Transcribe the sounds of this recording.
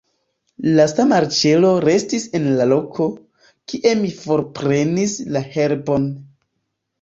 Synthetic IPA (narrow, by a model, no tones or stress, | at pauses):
lasamaɾt͡ʃe̞lo̞ɾe̞stise̞nlalo̞kʰo̞ | kiʔe̞mifo̞ɾpɾe̞nislahe̞ɾbo̞n